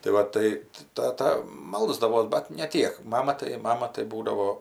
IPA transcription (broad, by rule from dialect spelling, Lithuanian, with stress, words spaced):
tɐɪ ˈʋɐ tɐɪ tɐɪ ˈtɑːtɐ ˈmɐlˠzdɐʋoːs ˈbɐt nʲɛ ˈtʲiɛk ˈmɑːmɐ tɐɪ ˈmɑːmɐ tɐɪ ˈbuːdɐʋoː